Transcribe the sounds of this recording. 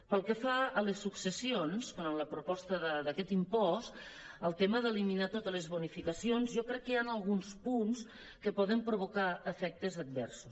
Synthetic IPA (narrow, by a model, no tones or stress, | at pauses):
pəlˠkəfaələsːuksəsionskonənləpɾupɔst̪əðəd̪əkɛt̪impɔst̪ | əlˠt̪eməðəliminat̪ot̪ələzβunifikəsionzjɔkɾɛkːəanəlˠɣunspuns | kəpɔðəmpɾuβ̞ukaəfɛk̚t̪əzəd̪̚bɛ̰rsus